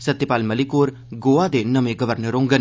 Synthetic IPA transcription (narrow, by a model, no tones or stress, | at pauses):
sət̪ːɪpaːlməlikoːɾ | ɡoːaːd̪eːnəmẽːɡəʋəɾnəɾõːŋɡən